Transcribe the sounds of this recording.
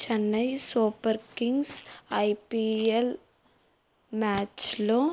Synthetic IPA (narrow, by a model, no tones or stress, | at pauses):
t͡ʃɐnːɐjsuːpɐɾkiŋɡsɐjpiel | maːt͡ʃloː